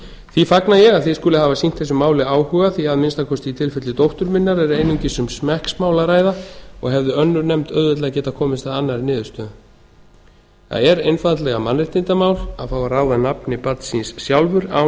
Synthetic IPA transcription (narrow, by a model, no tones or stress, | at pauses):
θifaknajɛɣaðθiskʏːlɪɦavasin̥t̪θɛs̬ʏmaːwlɪaːwhʏːɣaθiaðmɪnst̪akʰɔst̪iit̪ʰɪlfɛt̪lɪt̪owht̪ʏɾmɪnːaɾɛɾejnʏɲcɪsʏmsmɛhksmaːwlaɾaːjðaɔɣɦɛvðʏœnːʏɾnɛmt̪œðvɛt̪lɛɣacɛːt̪akʰɔːmɪst̪aðanːaɾnɪːðʏst̪œðʏ | θa̰ðɛɾejnfat̪lɛɣamanrɪht̪ɪnt̪amaːwlaðfaːwaraːwðanapnɪpat̪sinsːjawlvʏɾa̰w